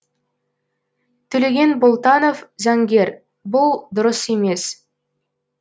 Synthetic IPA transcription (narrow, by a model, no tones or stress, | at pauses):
t̪ʰɵle̞ɡʲe̞nbolˠt̪ɑnofzæŋɡʲe̞ɾ | bʊlˠd̪ʊɾəsemes